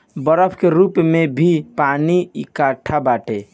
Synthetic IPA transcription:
bəɾəbʰkeɾupmebʱipaniikaʈʰabaʈe

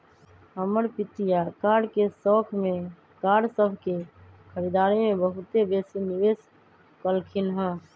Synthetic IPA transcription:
əməɾpɪt̪ijakaːɽkesɔːkʰmẽ | kaːɽsəbʱke | kʰəɾid̪aːɾimẽbəɦʊt̪ebeːsenɪʋeːs | kəlkʰɪnɦɛ̃ː

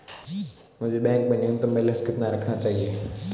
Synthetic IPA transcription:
mʊd͡ʒʱebɛ̃ːŋk̚bɐniʊ̃nt̪əmbelə̃skɪt̪naɾɐkʰnat͡ʃaːɦieː

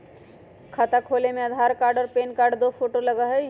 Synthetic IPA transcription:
kʰət̪akʰolemeəd̪ʱaɾkaɾɖɔːɾpenkaɾɖd̪opʰoʈoləɡəɦəj

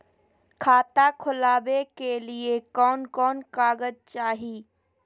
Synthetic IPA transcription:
kʰaːt̪akʰʊlaːbekeliekɔːnkɔːnkaːɡəd͡ʒt͡ʃaːɦiː

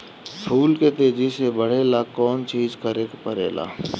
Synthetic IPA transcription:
pʰuːlket̪eːd͡ʒisebəɽ̤eːlakɔːnt͡ʃiːd͡ʒkəɾeːkpəɾḛːla̰ː

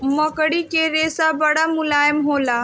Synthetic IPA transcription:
mɐkəɽikeɾeːsabɐɽamʊlaːjəmɦoːlaː

